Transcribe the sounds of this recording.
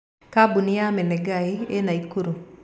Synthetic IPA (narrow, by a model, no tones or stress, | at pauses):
kabunɪjamɛnɛɡaienaikuɾu